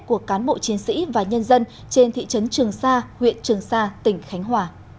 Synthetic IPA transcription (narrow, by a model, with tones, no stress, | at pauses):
ku˧˨˩əkːaː˨˦nɓo̰˧˨t͡ɕi˨˦ənsḭ˧˥vaː˨˩ɲə˧nzə˧n | t͡ɕe˧nt̪ʰḭ˧˨t͡ɕə˨˦nt͡ɕɨ˨˩əŋsaː˧hwḭ˧˨ənt͡ɕɨ˨˩əŋsaː˧t̪ï˧˩ŋ̟xa˨˦jŋ̟ɦwaː˨˩